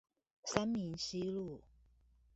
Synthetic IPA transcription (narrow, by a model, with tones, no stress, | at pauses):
sa˦mi˨˦nɕi˦lu˥˨